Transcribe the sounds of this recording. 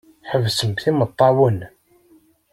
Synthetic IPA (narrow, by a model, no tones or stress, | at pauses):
ħəvsəmkθimət̪ˤːɑwən